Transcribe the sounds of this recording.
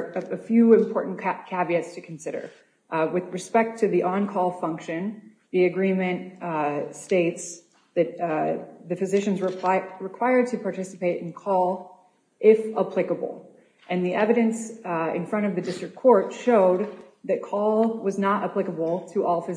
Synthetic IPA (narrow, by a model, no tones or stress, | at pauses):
ɨfjʉɨ̃mpʰɔɹʔn̩kʰæbiɨtstʰɨkʰn̩sɪɾə̰˞ | wɨðɹɨspɛk̚tʰɨðiʔɑ̃nkʰɔlˠfʌ̃ŋkʃɨ̃n | ðiɨɡɹĩmɨ̃n | steɪts | ðɨt̪̚ðɨfɨzɪʃɨ̃nzɹɨɹɨkʰw̥aɪə˞d̚tʰɨpʰɑɹtʰɪsə̥peɪɾɨ̰̃nkʰɔlˠ | ʔɪfəpʰl̥ɪkəbl̩ˠ | ɨ̃nðiʔɛvɨɾɨ̃nsɪ̰̃nfɹʌ̃ɾ̃ʌvðɨdɪstɹ̥ɨkʰɔɹtʃoʊd̪̚ðɨt̚kʰɔlˠwʌznəɾəplɪkəbl̩ˠtʰəʔɔlˠfɨ